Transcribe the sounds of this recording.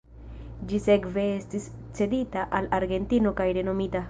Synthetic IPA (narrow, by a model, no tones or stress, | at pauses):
d͡ʒise̞kve̞estis | t͡se̞ditaʔalaɾɡe̞ntino̞kajɾe̞no̞mita